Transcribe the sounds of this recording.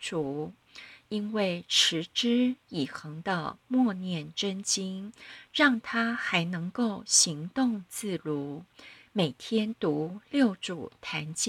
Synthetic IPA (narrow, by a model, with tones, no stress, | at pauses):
ʈ͡ʂu˨˩ | i˥nwe˥˩ɪʈ͡ʂʰɻ̩˧˥ʈ͡ʂɻ̩˥i˨˩xɤ˧˥ŋd̪ə̰˧mwɔ˥˧njɛ˥˩nʈ͡ʂə˥nt͡ɕi˥nɻɑ˥˩ŋt̪ʰa˥xa˧˥ɪnɤ˧˥ŋko˥˩ʊɕi˧˥ŋt̪ʊ˥˧ŋt͡sɹ̩˥˩lu˧˥me˨˩ɪt̪ʰjɛ˥nt̪u˧˥ljo˥˩ʊʈ͡ʂu˨˩t̪ʰa˧˥nt͡ɕi˥